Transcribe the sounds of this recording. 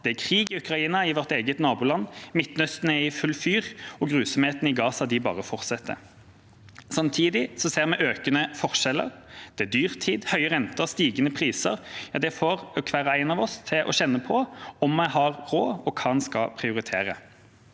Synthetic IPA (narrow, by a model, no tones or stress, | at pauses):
d̪̥ɛækʰʁiːɡɪʉkʁɑiːnɑɪʋɔʁt̪eːɡət̪nɑːbuːlɑnːmɪt̪nœst̪ənæɪfʉlːfyːʁɔɡʁʉːsɔmheːt̪n̩ɪɡɑːsɑd̪ɪbɑ̰ːʁəfɔʁt̪sɛt̪ʰːə̰ | sɑmt̪ʰiːd̪ɪsɔseːʁmɛʔøːkənəfɔʁʂɛlə̰ʁd̪̥ɛæd̪yːʁt̪ʰiːd̪hœʏəʁɛnt̪əʁst̪iːɡənəpʰʁiːsəʁjɑːd̪ɛfoːʁkʰʋæːɾɑæɪnɑʋɔst̪ʰɪlʔɔ̰ɕɛnːəpʰɔɔmːɛhɑʁʁoːɔkʰɑːnskɑpʰʁɪʊɾɪt̪ʰeːʁə̰